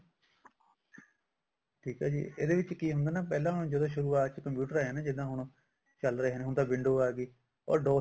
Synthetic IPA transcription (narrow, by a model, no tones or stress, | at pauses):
ʈʰiːkaːd͡ʒḭːḛːd̪eːʋɪt͡ʃkiːɦʊnd̪aːnaːpɛːlãːɦʊɽ̃ːd͡ʒəd̪õːʃʊɾuːaːt͡ʃkəmpjuːʈəɾaːaːnaːd͡ʒɪd̪ãːɦʊɽ̃ | t͡ʃəlɾəɦeːnẽːɦʊ̃nd̪aːʋɪɳɖoːaːɡiː | ɔ̰ːɾɖoː